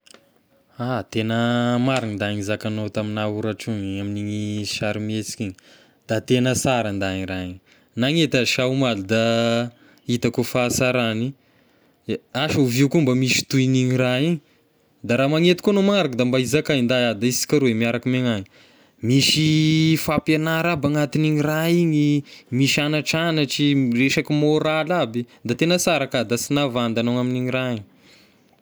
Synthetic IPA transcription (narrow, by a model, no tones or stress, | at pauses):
at̪enəmaɾinind̪aiɲizakanot̪aminauɾaʈ͡ʂuŋiaminimiʃaɾimet͡si̥kiɲi | d̪̥at̪enəsaɾand̪aiiɾaiɲi | naŋet̪aʃawmalud̪a | it̪akufasaɾani | aʃauviukumbamiʃi̥t̪uiniɲiɾaiɲi | d̪aɾamaŋet̪i̥konomaŋaɾakd̪ambaizakaind̪aad̪aisi̥kʲaɾuemiaɾakimeŋaɲi | miʃifapanaɾabaŋat̪iniɲiraiɲimiʃanaʈ͡ʂanaʈ͡ʂireʃakimoɾalabi | d̪at̪enəsaɾakad̪asinavand̪anowŋaminiɲiɾaiɲi